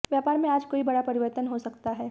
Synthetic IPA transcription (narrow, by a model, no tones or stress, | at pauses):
ʋjaːpaːɾmẽaːd͡ʒkoːibɐɽapɐɾɪʋəɾt̪ənɦosɐkt̪aɦɛː